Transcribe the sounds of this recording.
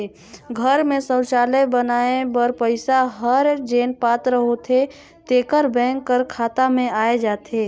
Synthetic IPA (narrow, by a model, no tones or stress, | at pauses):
ɡʱəɾmẽsə̃wt͡ʃaːlebənaːebəɾpəɪsaɦəɾd͡ʒeːnpaːt̪ɾəɦot̪ʰe | t̪eːkəɾbɛ̃ːŋkːəɾkʰaːt̪amẽaːed͡ʒaːt̪ʰeː